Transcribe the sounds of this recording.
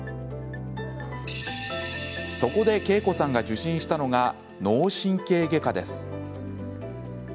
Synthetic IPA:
so̞ko̞d̪e̞ke̞ːko̞sãŋɡaʑɨɕĩɰ̃ɕi̥t̪ano̞ɡa | no̞ːɕĩŋke̞ːɡe̞kad̪e̞sɨ̥

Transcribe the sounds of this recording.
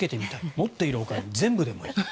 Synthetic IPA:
ke̞t̪e̞mʲit̪aimo̞t̪ːe̞iɾɯ̟okaɲizẽ̞mbɯ̟d̪e̞moi

